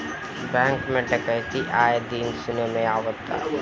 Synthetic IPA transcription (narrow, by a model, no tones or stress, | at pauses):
bɛ̃ːŋkmẽʈəkəɦt̪iʔaːjed̪iːnsʊnemẽaːʋət̪a̰ː